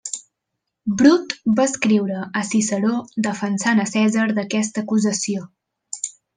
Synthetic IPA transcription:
bɾut̪baəskɾiwɾəəsisəɾod̪əfənsanəsɛzəɾðəkɛst̪əkuzəsio

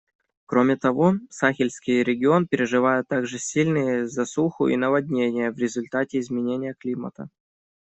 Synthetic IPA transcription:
kɾomʲɪt̪ɐvo̞saxʲɪlʲsʲkʲɪjɾʲɪɡʲɪo̞npʲɪɾʲɪʐɨvajʊt̪ːaɡʐɨsʲilʲnɨjəzɐsuxʊ̰ʔḭnəvɐd̪ʲnʲenʲɪjəvɾʲɪzʊlʲt̪atʲɪɪzmʲɪnʲenʲɪjəklʲimə̰t̪ə̰

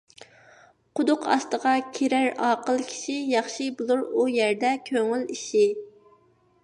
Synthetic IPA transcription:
qʰʊd̪ʊqɑ̰st̪əʁɑkʲʰeɾæɾɑːqəlˠkʲʰi̥ʃijɑχʃibulˠuɾujæɾd̪ɛkʲʰøŋyliʃi

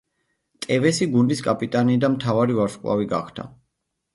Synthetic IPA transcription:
t̪ʼɛvɛsiɡund̪iskʼapʼit̪ʼaniːd̪amt̪ʰavaɾivaɾʃkʼwa̰viɡaχd̪ʰa̰

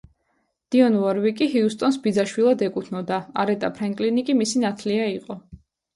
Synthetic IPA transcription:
d̪̥iɔnvɔɾvikʼiɦiust̪ʼɔnsbid̪zaʃwilˠad̪ɛkʼut̪ʰnɔd̪aaɾɛt̪ʼapʰɾaŋkʼlinikʼimisinat̪ʰliaiqʼɔ

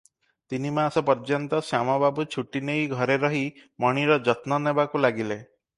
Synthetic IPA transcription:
t̪inimasɔpɔɾd͡ʒɔnt̪ɔsjamɔbabut͡ʃʰuʈinejɡʱɔɾeɾɔɦimɔɽ̃iɾɔd͡ʒɔt̪nɔnebakulaɡile

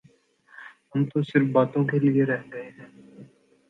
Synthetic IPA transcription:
ɦɐmt̪osɪɾfbaːt̪õkelieɾɛɦɡɐeɦɛ̃ː

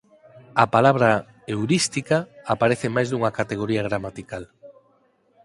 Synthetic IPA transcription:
apalaβɾa | ewɾist̪ikaːpaɾeθɪmajzðuŋɐkat̪eɣ̞oɾiaɣ̞ɾamat̪ikal

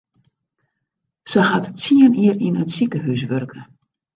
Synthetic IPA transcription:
səhatt͡siəniərinətsikəɦys̬ʋørkʰə

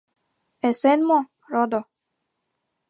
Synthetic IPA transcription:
esenmo | ɾod̪o

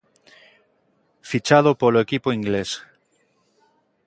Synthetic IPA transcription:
fit͡ʃað̞opoloekipoiŋɡles

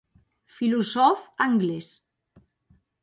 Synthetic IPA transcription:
filusɔfaŋɡles

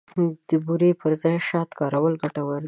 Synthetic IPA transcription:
d̪̥əbuɾepəɾzɑjʃɑt̪kɑɾawəlɡaʈawaɾd̪

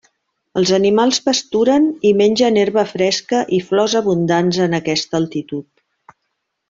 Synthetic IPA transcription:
əlˠzənimalˠzβəst̪uɾənimenʲʒəneɾβəfɾɛskəʔiflɔzəβund̪anzənəkɛst̪əːlˠt̪it̪ut̪̚

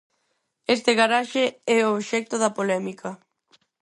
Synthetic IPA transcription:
est̪eɣaɾaʃeɛoβʃɛk̚t̪oðɐpolɛmikʰɐ

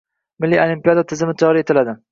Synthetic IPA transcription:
mɪlːiolimpijad̪at̪ʰɪzɪmɪt̪ʰɒɾɪet̪ʰɪlad̪ɪ

